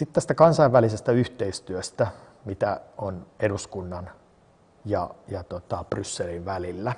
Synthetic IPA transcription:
sit̪t̪æst̪ækɑnsɑiʋʋælisest̪æyht̪eist̪yøst̪æ | mit̪æoneduskunːɑn | jɑ̰jɑt̪ot̪ɑb̥rysːelinʋælilːæ

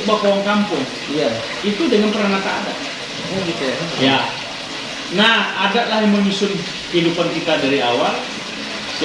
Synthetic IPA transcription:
bakowaŋkampʊŋ | ja | it̪udəŋanpəɾaŋat̪aːdaʔ | jaɡit̪uja | nahadaʔlahjaməɲusʊn | kəɦidupankit̪adaɾiawal

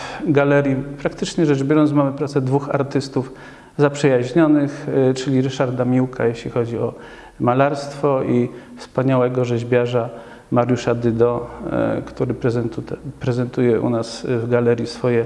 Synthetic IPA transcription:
fɡalɛɾjipɾakt̪ɘt͡ʂɲɛʐɛʐbʲjɔɾɔnt̪mamɘpɾat̪sɛd̪vuxa̰ɾt̪ɘst̪uf | zapʂɛjaʑɲɔnɘxt͡ʂɘlʲiɾɘʂaɾd̪amʲiwka̰jeɕlʲixɔd͡ʑiɔ | malaɾst̪fɔʔifspaɲawɛɡɔʐɛʑbʲjaʐa | maɾjuʂad̪ɘd̪ɔ | kt̪uɾɘzupɾɛzɛnt̪ujɛʔṵnasvɡalɛɾʲjisfɔjɛ

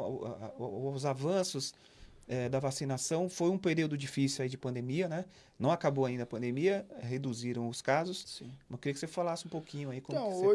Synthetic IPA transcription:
zavɐ̃sʊs | ɛd̪ɐvasinasɐ̃w̃fojũpeɾiwd̪ʊd͡ʒifisiwaid͡ʒɪpɐ̃nd̪emiɐnɛ | nɐ̃w̃akabowaĩnd̪ɐpɐ̃nd̪emiɐɛhed̪uziɾɐ̃w̃ʊskazʊssĩɐkɪɾiɐkɪsefalasɪũpowkʰĩɲʊaikõmk

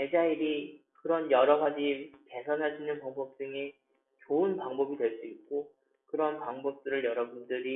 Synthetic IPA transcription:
e̞d͡ʑaiɾi | kɯɾʌnjʌɾʌɡad͡ʑike̞sʰʌnɦaɕʰinɯnpaŋbʌp̚t͈ɯŋe | t͡ɕoɯnpaŋbʌbidwe̞ɭs͈uit̚k͈o | kɯɾʌnpaŋbʌp̚t͈ɯɾɯɭjʌɾʌbundɯɾi

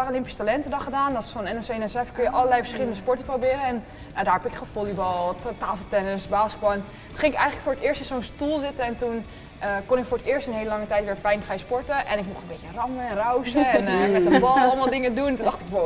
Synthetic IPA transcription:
arolɪmpisə̥talɛntədɔχədaːndɔtɪ̥sfɑnɛnɛsenɛsɛfkønjəʔɑləlɛjfəɹsχɪləndəspɔɹtəprobɪːɾəɛn | daːrɛpɪkχəfolibɑlˠtaːfəlˠtɛnəsbaːskɛbɔlˠɛn | tχɪŋɪkɛjχələkfʊːɹətɪːɹstɪnsonstulˠzɪtəɛntun | ʔəkonɪkfoːɹətɪːɹstənɦejləlɑŋətɛjtʋɪːɹpɛjnfrɛjspɔɹtəʔɛnɪkmuχtəmbetərɑməɛnrawsəɛnmɛtdəbɑlˠɑlˠmalˠdɪŋəduntundɑχtɪkʋo

